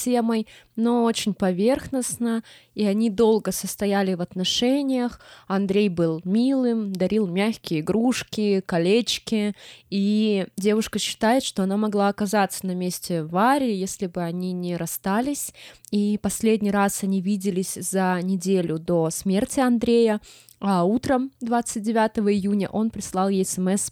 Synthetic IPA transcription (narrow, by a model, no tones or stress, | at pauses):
sʲeməjnoo̞t͡ɕɪnʲpɐvʲe̞rxnəsnəiɐnʲid̪o̞lˠɡəsəst̪ɐjælʲɪvɐt̪nɐʂɛnʲɪjəxɐnd̪ɾʲejbɨlˠmʲilˠɨmd̪ɐɾʲilˠmʲæxʲkʲɪjəɪɡɾuʂkʲɪkɐlʲet͡ɕkʲɪidʲe̞vʊʂkəɕːɪ̥t̪ajɪt̪ʂt̪o̞ɐnamɐɡlˠaɐkɐzat̪sə̥nɐmʲesʲtʲɪvaɾʲɪːjesʲlʲɪbɨɐnʲinʲɪɾɐst̪alʲɪsʲipɐsʲlʲedʲnʲijɾasɐnʲivʲidʲɪlʲɪsʲzɐnʲɪdʲelʲʊd̪o̞smʲe̞rtʲɪɐnd̪ɾʲejə | aut̪ɾəmd̪vat̪sɨt̚ʲdʲɪvʲat̪əvəɪjunʲə̰ʔo̞npɾʲɪslˠɑlˠjɛsɛmɛs